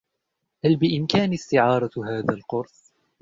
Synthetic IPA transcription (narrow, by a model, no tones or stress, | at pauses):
halbɪʔɪmkaːnɪst̪ɪʕɑːɾˤɑɦaːðalqʊɾs